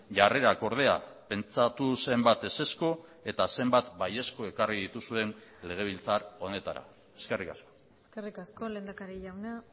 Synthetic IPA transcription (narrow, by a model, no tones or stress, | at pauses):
ʝare̞ɾako̞ɾð̞e̞a̰pe̞nt͡sat̪use̞mbat̪e̞se̞sko̞e̞t̪ase̞mbat̪baje̞sko̞e̞kariðit̪usue̞nle̞ɣ̞e̞β̞ilt͡saɾo̞ne̞t̪aɾa̰ | e̞ske̞rikasko̞̥ | eskerikasko̞le̞ːnd̪akaɾiʎawna